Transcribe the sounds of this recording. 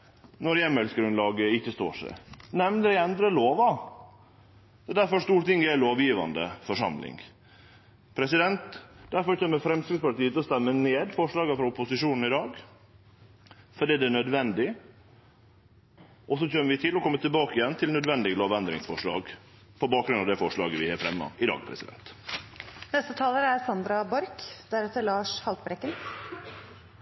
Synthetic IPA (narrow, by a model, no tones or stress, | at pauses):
nɔɾjɛmːɛlsəɡɾʉnlɑːɡəɪçːəst̪o̰ːʂɛ̰nɛmnəɾæɛnd̪ɾəloːʋɑ | ɛd̪æɾfɔʂt̪uːɾʈ̪ɪŋːæloːʋjiːʋɑ̰nd̪ə̰fɔʂɑ̰mlɪ̰ŋ | pʰɾɛsɪd̪ɛnt̪d̪̥æɾfɔɾçɛːmːəfɾɛmskɾɪspɑʈ̪iːət̪ɔst̪ɛmːəneːd̪fɔʂɭɑːɡəfɾɑʊpːʊsɪʂuːnn̩ɪd̪ɑːɡ | fɔɖiːd̪ɛæɳœd̪ʋɛnd̪ɪ | ʔɔs̬ɔc͡çøːməʋɪt̪ʰɪlɔkʰɔmːət̪ʰɪlbɑːkəɪjɛnːt̪ʰɪlnœd̪ʋɛnd̪ɪɡəloːʋɛnd̪ɾɪŋsfɔʂɭɑ̰ːɡ | pʰɔbɑːk̚ɡɾʉnɑʋd̪ɛfɔʂɭɑ̰ːɡəʋɪheːɾfɾɛmːɑ̰ɪd̪ɑ̰ːɡpʰɾɛ̰sɪd̪ɛ̰nt̪ | nɛst̪ət̪ʰɑːləæɾsɑnd̪ɾɑbɔɾkd̪̥æɾɛt̪ːəɭɑːʂhɑlt̪̚bɾɛkːən